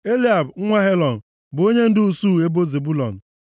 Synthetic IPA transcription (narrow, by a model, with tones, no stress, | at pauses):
e˦li˦a˨bŋ̩˦ŋʷa˦ɦe˦lɔ˨n̩˨ | bʊ˨o˦ɲe˦n̩˦dɪ˦u˨su˦˨e˦bo˦ze˨bu˦lɔ̰˨n̩˨